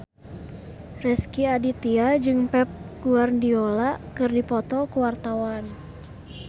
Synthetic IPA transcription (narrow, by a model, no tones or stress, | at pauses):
rɛskiadit̪iad͡ʒɨŋpɛp̚ɡ̥uarndiolaʔkɨrdipɔt̪ɔkuwart̪awan